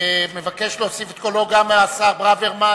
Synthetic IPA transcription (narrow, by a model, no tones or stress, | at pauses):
mevake̞ʃlosifet̪koloɡameasaʁbʁaveʁma